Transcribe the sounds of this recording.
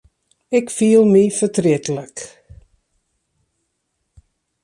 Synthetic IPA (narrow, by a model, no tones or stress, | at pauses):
ɪkfiəlˠmifətrɪtələk